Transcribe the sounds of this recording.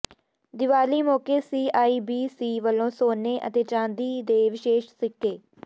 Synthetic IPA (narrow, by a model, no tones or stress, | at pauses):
d̪ɪʋaːliːmɔːkeːsiːaːiːbiːsiːʋəlːõːsoːneːʔə̰t̪eːt͡ʃãːnd̪iːd̪eːʋɪʃeːʃsɪkːeː